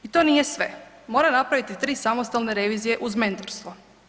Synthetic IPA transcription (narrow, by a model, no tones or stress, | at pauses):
it̪o̞nijesʋe̞ | mo̞ːɾanapɾaʋit̪it̪ɾiːsamo̞st̪alˠneɾe̞ʋiːzije̞ʔuzme̞nt̪oɾst̪ʋo